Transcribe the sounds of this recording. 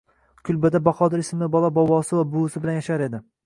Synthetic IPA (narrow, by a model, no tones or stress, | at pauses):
kʲʰʊlˠbad̪abɑqɒd̪ɪɾɪsmɪbɒlˠabɒwɒsɪvabʊʊsɪbɪlanjaʃaɾe̞d̪ɪ